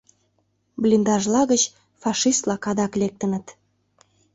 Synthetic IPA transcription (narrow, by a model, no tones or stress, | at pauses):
blʲind̪ɑʒlɑɣət͡ɕ | fɑʃist̪lɑkɑd̪ɑklek̚t̪ə̆nət̪